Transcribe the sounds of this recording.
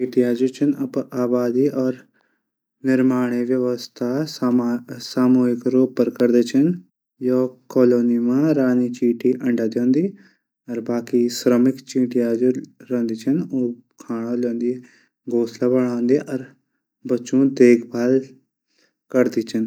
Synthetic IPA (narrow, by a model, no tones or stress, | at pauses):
t͡ʃiːʈiaːd͡ʒut͡ʃʰənɐpaːbaːd̪iːʔɔːɾ | nɪɾmaːɽ̃eʋjəʋəst̪ʰa | saːmoːɦɪkɾoːpːəɾkəɾd̪eːt͡ʃʰən | joːkɔːloːnimãːɾaːnit͡ʃiːʈiʔɐ̃ɳɖaːd̪jõːnd̪iː | ɔɾbaːkisɾəmɪkt͡ʃĩːʈiaːd͡ʒuɾɐ̃nd̪iːt͡ʃʰənoːkʰaːɽ̃ãːlõːnd̪i | ɡoːslabəɽ̃ãːnd̪iʔɔːɾ | bəːt͡ʃõd̪eːkʰbʱaːl | kəɾd̪iːt͡ʃʰən